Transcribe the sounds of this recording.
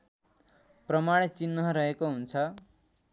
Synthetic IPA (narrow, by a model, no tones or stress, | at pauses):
prʌmaɽ̃et͡sinːʌɾʌɦekoɦunt͡sʰʌ